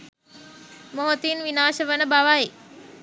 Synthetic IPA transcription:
moɦot̪inʋinaːʃəʋənəbaʋae

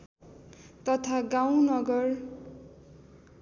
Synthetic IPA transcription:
t̪ʌt̪ʰaɡaw̃nʌɡʌr

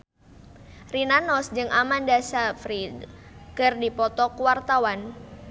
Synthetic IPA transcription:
rinanɔsd͡ʒɨŋʔamandasafɾid | kɨrdipɔt̪ɔkuwart̪awan

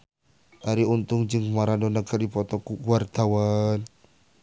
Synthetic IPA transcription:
ʔaɾiunt̪ʊŋd͡ʒɨŋmaɾadɔnəkadipɔt̪ɔkukuart̪awan

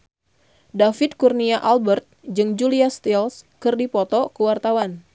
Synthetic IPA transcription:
dafɪt̪̚kurniaʔalbərt̪̚d͡ʒɨŋd͡ʒuliast̪ilskɨrdipɔt̪ɔkəwart̪awan

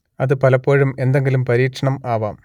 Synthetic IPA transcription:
ɐðɯpɐlɐpːoːɻɯmend̪ɐŋɡilɯmpɐɾiːkʂɐɳɐmaːʋaːm

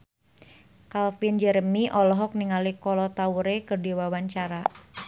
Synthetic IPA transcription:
kalfind͡ʒɛɾəmiʔɔlɔɦɔk̚niŋalikɔlɔt̪auɾekərdiwawaɲt͡ʃaɾa

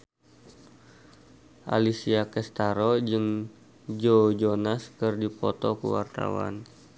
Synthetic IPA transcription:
ʔa̰lisiakɛst̪aɾod͡ʒɨŋ | d͡ʒod͡ʒonaskɨrdipɔt̪ɔkṵwa̰rt̪a̰wa̰n

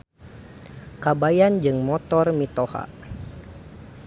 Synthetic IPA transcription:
kabajand͡ʒɨŋmɔt̪ɔrmit̪ɔha̰

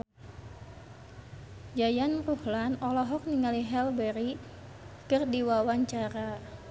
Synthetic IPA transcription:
d͡ʒajanruhlanɔlɔɦɔk̚niŋaliɦɛlbɛɾi | kɨrdiwawaɲt͡ʃaɾa

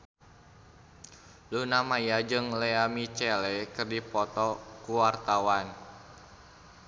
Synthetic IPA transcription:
lunamajad͡ʒɨŋlɛamit͡ʃɛlɛkɨrdipɔt̪ɔkuwart̪awan

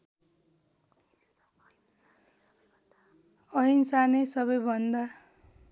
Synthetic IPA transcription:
ʌɦinsanesʌβʌjbʱʌnd̪a

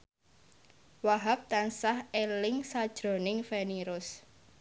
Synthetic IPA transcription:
waɦap̚t̪ansahelɪŋsad̥ʒ̥ɾo̤nɪŋfeniɾʊs

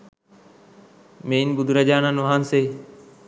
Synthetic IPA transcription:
meːnbʊd̪ʱɾəd͡ʒaːnãːnʋɦaːnseː

